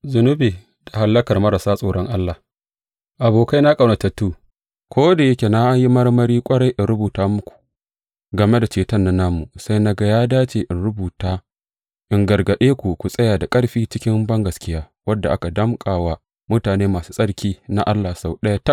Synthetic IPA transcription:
zʊ˨nʊ˦biː˨ | d̥a˨ha˨lːɐ˦kɐ˨rmɐ˦ɾa˨saː˦sʼoː˨ɽɔ˦ŋʔa˦lːa˨ | ʔa˨boː˨ka˦jna˦kʼa˨na˨tɐ˦tːuː˦ | kʷʰoː˦da˨jɐ˦kʲe˨na˦ji˦mɐ˦rmɐ˦ɾiː˦kʷʼɐ˦ɽa˦jʔɪ˨nɽʊ˦buː˨taː˦mʊ˦kʷu̥˨ | ɡɐ˨me˦da˨t͡ʃeː˨tɐ˦nːɐ˦nːa˦mːu˨sa˦jna˦ɡa˨jaː˦daː˦t͡ʃeː˨ʔɪ˨nɽʊ˦buː˨taː˦ | ʔɪ˨ŋɡɐ˨rɡɐ˨ɗeː˦kʷu˨kʷu˨sʼɐ˦jaː˨da˨kʼɐ˦ɽɸiː˦t͡ʃɪ˦kʲɪ˦mbɐ˦ŋɡɐ˨skʲɪ˦jaː˦ | wɐ˦dːa˨ʔa˦ka˨dɐ˦mkʼaː˨waː˦ | mʊ˦taː˨neː˦maː˨su̥ː˦sʼɐ˦ɽkʲiː˦na˦ʔa˦lːaː˨sa˨wɗɐ˦ja˦tɐ˦

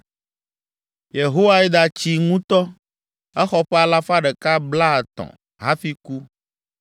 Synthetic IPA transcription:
je˨ɦo˦wa˦ɛ˦d̪a˨t͡ɕi˦ŋũ˦t̪ɔ˦ | ɛ˦xɔ˦ɸɛ˦a˨la˦fa˦ɖɛ˨ka˦bla˦˨t̪ɔ̰̃˨ | ɦa˦fi˦ku˦

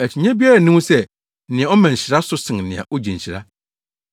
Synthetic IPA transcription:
æ˨t͡ɕʰɪ˨ɲæ̃˦bi˦a˦ɾa˨nĩ˦sɛ˦ | nɪ̃˨ã˨ɔ˦mã˨ɲ̩˨ɕɪ˨ɾa˦sʊ˦sɪ̃˨ŋnɪ̃˨ã̰˨ʔɔ˦d͡ʑĩ˨ɲ̩˨ɕɪ˨ɾa̰˦

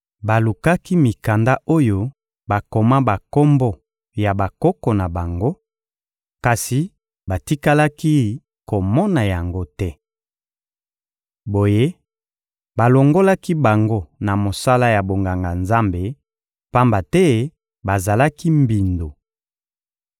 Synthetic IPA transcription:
ba˨lu˨ka˦ki˦mi˨ka˨nda˦ʔo˦jo˦ | ba˨ko˨ma˦ba˨ko˦mbɔ˦ | ja˨ba˨kɔ˦kɔ˨na˨ba˨ŋɡo˦ | ka˨si˨ | ba˨ti˦ka˦la˦ki˦ | ko˨mɔ˦na˨ja˨ŋɡo˦tɛ˦ | bo˨je˦ | ba˨lo˨ŋɡo˦la˦ki˦ba˨ŋɡo˦na˨mo˨sa˦la˦ja˨bo˨ŋɡa˨ŋɡa˨nza˦mbe˨ | pa˦mba˨tɛ˦ | ba˨za˨la˦ki˦mbi˨ndo˨

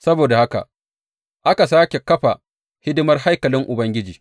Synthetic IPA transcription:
sɐ˦boː˨da˨ha˦ka̰˨ʔ | ʔa˦ka˨saː˦kʲe˨kɐ˦ɸa˨ | hɪ˦dɪ˦mɐ˦rha˦jkɐ˨lɪ˦ŋʔʊ˨bɐ˦ŋɡʲɪ˦d͡ʒiː˨

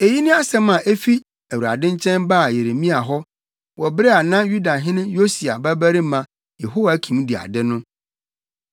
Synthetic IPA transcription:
e˨ji˦nɪ̃˦a˦sɛ̃˦mã˨ʔe˦fi˦ | æ˨u˨ɾa̰˨dɪ̃˦ɲ˦t͡ɕʰɛ̃˦nba˦˨je˨ɾe˨mĩ˦a˨ɦɔ˦ | wʔɔ˨bɾɛ˦a˨nã˦ju˦da˨ɦɪ̃˦nʊ̃˦jo˦si˨a̰˨bæ˦bæ˦ɾi˦mã˨ | je˨ɦo˦wa˨kʰĩ˨m̃˦di˨a̰˨dɪ˦nʊ̃˦

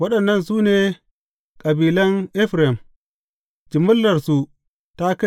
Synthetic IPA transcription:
wɐ˦ɗɐ˨nːɐ˦˨nsuː˦neː˨ | kʼɐ˨biː˨lɐ˦ŋʔɪ˦ɸɾɛ˨m | d͡ʒɪ˨mʊ˦lːɐ˨rsu˨ | ta˦ka˦

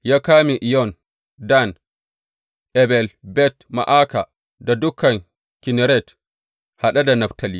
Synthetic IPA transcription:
ja˦kaː˦mi˨ʔi˨jɔ˦n | da˦n | ʔɛbɛ˨lbɛ˦tma̰˨ʔa˦ka˨ | dadʊ˦kʰːa˨ŋ | kinɛɾɛ˦t | ha˨ɗa˦da˨na˨ftʰa˨lḭ˨

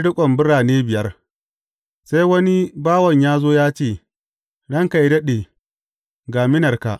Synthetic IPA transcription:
ɽʊ˦kʷʼɔ˨mbɪ˦ɾaː˨neː˦bɪ˨jɐ˦r | sa˦jwɐ˦ni˦baː˦wɐ˨ɲjaː˦zoː˦jaː˦t͡ʃeː˦˨ | ɽɐ˦ŋka˨i˦dɐ˦ɗeː˨ | ɡaː˨mɪ˦nɐ˨rka̰˨ʔ

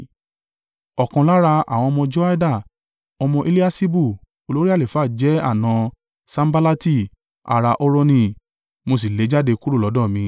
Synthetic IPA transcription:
ɔ˨kã˨la˦ɾa˧a̰˨w̃ɔ̃˧mɔ̃˧d͡ʒo˦a˦da˦˨ | ɔ˧mɔ̃˧ʔe˦li˦a˦si˦bu˦˨ | o˧lo˦ɾi˦a˦˨le˨fa˦˨d͡ʒɛ˨˦a̰˦˨nã˧ | sã˦m˦ba˦la˦ti˦˨ | a̰˨ɾa˧ʔo˦ɾo˦nĩ˦ | mo˧s̬i˨le˨˦d͡ʒa˦de˧ku˦ɾu˦˨lɔ˨˦dɔ̃˦˨mĩ˧

